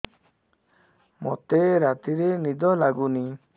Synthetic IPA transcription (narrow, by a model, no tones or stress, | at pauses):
mɔ̰t̪eɾat̪iɾenid̪ɔlaɡuni